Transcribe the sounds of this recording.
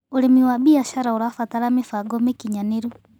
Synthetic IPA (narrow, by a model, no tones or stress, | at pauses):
olemiwaβiaʃaɾaoɾafataɾamefaɡɔmekiɲaneɾu